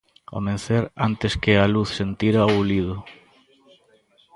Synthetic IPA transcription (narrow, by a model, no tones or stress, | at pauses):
o̰mẽnθeɾant̪eskealuθsent̪iɾaulið̞ʊ